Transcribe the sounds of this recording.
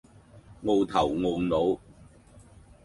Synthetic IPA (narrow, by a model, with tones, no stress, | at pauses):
ŋo˧wt̪ʰɐ˨˩wŋo˧wno˨˥w